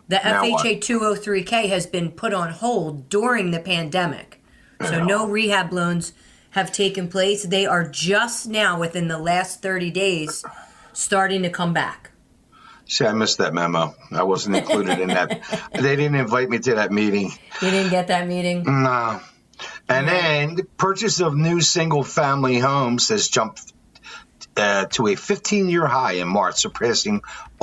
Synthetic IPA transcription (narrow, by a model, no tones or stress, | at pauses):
ðiʔɛfeɪt͡ʃeɪtʰʉoʊθɹikʰeɪɨzbɨ̃npʰʊɾn̩hoʊlˠddʊɹɪ̃ŋðɨpʰæ̃ndɛmɪ̰k | soʊnoʊɹihæblõʊ̃nz̥ | ɨv̥tʰeɪkɨ̃npʰl̥eɪsðeɪʔə˞d͡ʒʌstnaʊwɨθɪ̃nðəlæst̪θɜ˞ɾideɪz̥ | stɑɹɾɪ̃ŋtʰɨkʰʌ̃mbæ̰k | siaɪmɪs̚ðɨt̚mæmoʊaɪwʌzn̩tnkʰl̥uɾɨɾɨ̃nðɨt̚ðeɪdɪdⁿn̩tɨ̃ɱvaɪt̚miɾɨðɨt̚miɾɪ̃ŋeɾɪdⁿn̩ɡɛt̪̚ðɨt̚miɾɪ̃ŋno | ɨ̃nðɨ̃npʰɜ˞t͡ʃɨsʌvnʉsɪ̃ŋɡl̩ˠfæ̃mliɦõʊ̃mz̥ɨzd͡ʒʌ̃mp̚ | tʰəɨfɪftʰĩnjɪɹɦaɪɨ̃nmɑɹt͡ʃsəpʰɹ̥ɛsɪ̃ŋ